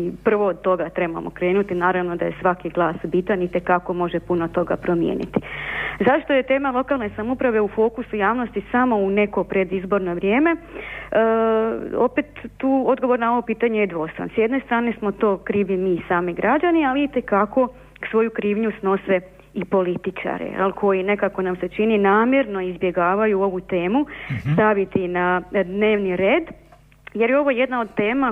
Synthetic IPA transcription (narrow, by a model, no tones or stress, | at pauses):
ipr̩ʋo̞ːd̪̚t̪o̞ɡat̪ɾe̞ba̰mʔokɾe̞ːnut̪inaːɾaʋno̞d̪aje̞sʋakiɡlˠaːsbit̪anit̪e̞kako̞mo̞ʒepunot̪o̞ɡapɾo̞mjḛːnḭt̪i̥zaʃt̪o̞je̞t̪e̞ːmalˠo̞kalˠne̞samupɾaʋe̞ufo̞ːkusujaːʋno̞st̪isamo̞une̞ko̞pɾe̞d̪izbo̞ɾnoʋɾje̞ːme̞ | o̞pet̪ːuːod̪ɡo̞ʋo̞ɾnao̞ʋopiːt̪aɲejed̪ʋo̞ːst̪a̰nsjed̪ne̞st̪ɾaːnesmo̞t̪o̞ːkɾiːʋimisaːmiɡɾad͡ʒanialit̪e̞kako̞ | ksʋo̞jukɾiːʋɲusno̞se̞ | ipo̞lit̪it͡ʃa̰ɾḛa̰lkʰo̞jine̞kako̞namse̞t͡ʃininaːmjeɾno̞izbje̞ɡaːʋajuo̞ʋut̪e̞ːmust̪aʋit̪inad̪neːʋniɾeːd̪ | jeɾjeo̞ʋo̞jed̪nao̞d̪t̪e̞ːma